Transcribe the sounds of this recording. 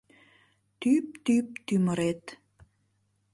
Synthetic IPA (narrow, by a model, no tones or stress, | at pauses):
t̪yp̚t̪yp̚t̪yməɾet̪